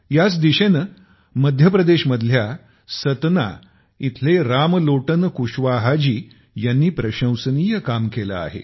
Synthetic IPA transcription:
jat͡sd̪iɕenə | məd̪ʱjəpɾəd̪eɕməd̪ʱlja | sət̪na̰ | it̪ʰleɾamloʈənkuɕʋaɦad͡ʑiː | janːiːpɾəɕə̃wsəniːjəkamkela̰a̰ɦḛ

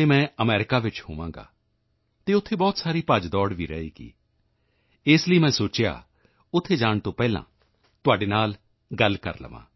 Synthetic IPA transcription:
eːmɛ̃ːəmɛːɾɪkaːʋɪt͡ʃhoːʋãːŋ̆ɡa̰ː | t̪eːʊt̪ʰːeːbɔːt̪saːɾiːpad͡ʒd̪ɔːɽʋiːɾəḛːɡḭː | ɪsləiːmɛ̃ːsoːt͡ʃɪja̰ː | ʊt̪ʰːeːd͡ʒaːɳt̪õːpɛːlã̰ː | t̪ʊaːɖeːnaːl | ɡəlkə̰ɾlə̰ʋã̰ː

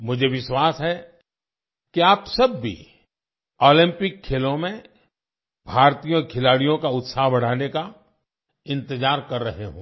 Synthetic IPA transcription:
mʊd͡ʒʱeʋɪʃwaːsɦɛ | kiaːpsɐbːḭ | ɔːlɪ̃mpɪkʰːeːlõmẽ | bʱaːɾt̪iːjɔɾkʰɪlaːɽijõkaʊt̪saːɦbɐɽ̤aːneka | ɪ̃nt̪ɪzaːɾkɐɾːɐɦeɦõ̰ː

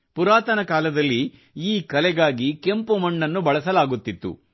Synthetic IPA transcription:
puɾaːt̪ɐnɐkaːlɐd̪ɐlːi | iːkɐlɛɡaːɡike̞mpumɐɳːɐnːubɐɭɐsɐlaːɡut̪ːit̪ːṵ

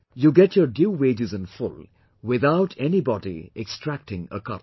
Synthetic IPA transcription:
juɡɛtʰjəɾɖjuːweːd͡ʒɪzɨ̃nfʊl | wɪðaʊʈʰɛnibɔdḭɛkstɾæk̚ʈɪ̃ŋə̰kʌ̰t

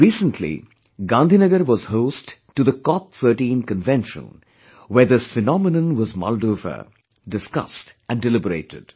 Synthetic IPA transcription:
ɹiːsə̃ntʰlḭ | ɡãnd̪inəɡəɾʋɔz̥hoʊstʈːuðəkɔp̚θəːʈĩːnkə̃nvɛ̃nʃə̰̃n | wɛ˞d̪ɪsfɛnɔmɪnə̃nwɔzmɔ̰ldoːvə̰ | ɖɨskʌ̰stʔæ̃nɖɨlɪbəɾḛɪtɪ̰d̥

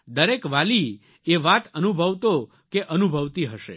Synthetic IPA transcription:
d̪əɾekʋali | eʋat̪ənubʱəʋt̪o | keʔənubʱəʋt̪iɦəʃḛ

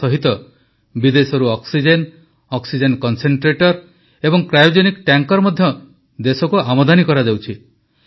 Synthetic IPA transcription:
ɔɦit̪ɔ | bid̪esɔɾuɔksid͡ʒen | ɔksid͡ʒenkɔnseɳʈɾeʈɔɾ | ebɔŋkɾajud͡ʒenikʈaŋkɔɾmɔd̪ʱjɔ | d̪esɔkuamɔd̪anikɔɾad͡ʒawt͡ʃʰi

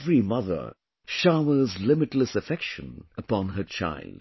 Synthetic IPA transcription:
vɹimʌðə̰˞ | ʃaʊə˞zlɪmɨtˡləsɨfɛkʃə̃nəpɑ̃nɦə˞t͡ʃʰa̰ɪlˠd̥

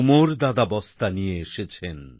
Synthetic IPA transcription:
moɾd̪ad̪abɔst̪anijeeʃet͡ɕʰen

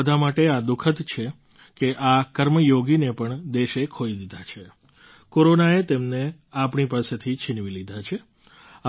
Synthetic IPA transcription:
əd̪ʱamaʈead̪ukʰət̪t͡ʃʰe | keʔakəɾməjoɡinepəɳd̪eʃekʰoid̪id̪ʱat͡ʃʰe | koɾonaet̪emne | apɳipaset̪ʰit͡ʃʰɪnʋilid̪ʱat͡ʃʰe | a

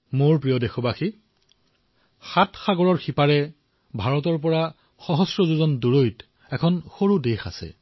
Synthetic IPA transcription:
moɹpɹijɔdɛxɔbaxi | xatxaɡɔɹɔɹxipaɹɛ | bʱaɹɔtɔɹp̬ɔɹa | xɔɦɔsɹɔzuzɔnduɹojt | ɛkʰɔnxoɹudexa̰sɛ̰

